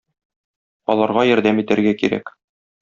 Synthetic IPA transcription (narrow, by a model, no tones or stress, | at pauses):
ɒ̰lˠɑɾʁɑjɒɾd̪æmit̪æɾɡækiɾæ̰k